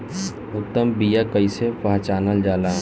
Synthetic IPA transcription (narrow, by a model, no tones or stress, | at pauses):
ʊt̪ːəmbijakəisepaɦt͡ʃaːnəld͡ʒaːlaː